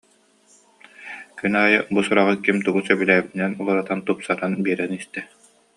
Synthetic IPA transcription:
kynaːjɯbusuɾaʁɯkimt̪uɡusœbylæːbit̪inɛnulˠaɾat̪ant̪upsaɾanbiɛɾɛnist̪ɛ

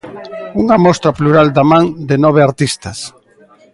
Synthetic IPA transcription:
uŋɐmɔst̪ɾapluɾald̪amãŋd̪enɔβ̞eaɾt̪ist̪ɐs

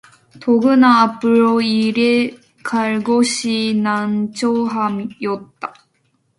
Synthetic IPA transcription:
t̪oɡɯnaːpɯɾoiɾe | kʰaɭɡoɕinant͡ɕʰoɦamjʌt̚t̪͈ːa

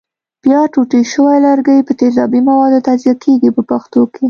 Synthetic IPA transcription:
b̥jɑʈuʈiʃəwajlaɾɡəjpət̪ezɑbimawɑd̪ot̪azijakʰeɡipəpaxt̪okʰe

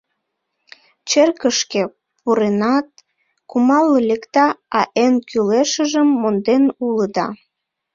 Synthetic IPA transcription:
t͡ɕerkəʃke | puɾenɑt̪̚ | kumɑlːəlʲekt̪ɑɑʔenkʰyleʃəʒəmːond̪enuləd̪ɑ̰

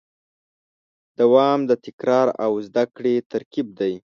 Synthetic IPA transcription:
d̪̥awɑmd̪ət̪ɪkɾɑɾawzd̪akɽet̪aɾkib̚d̪aj

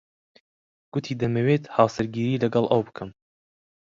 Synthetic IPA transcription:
ɡ̥ʊt̪ʰiːd̪ɐmɐweːt̪hɑːsɨɾɡiːɾiːlɐɡɐlˠʔɐwbɨkʰɨm

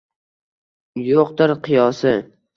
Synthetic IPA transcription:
joqd̪ɪɾqʰɨjɒsɪ

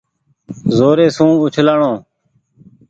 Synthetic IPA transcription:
zoːɾeːsũːʊt͡ʃʰlaːɳõː

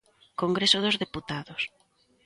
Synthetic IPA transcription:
koŋɡɾesoðozðeput̪aðos

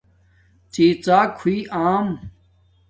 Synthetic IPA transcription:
t͡ɕiːt͡saːkʰuiːʔaːm

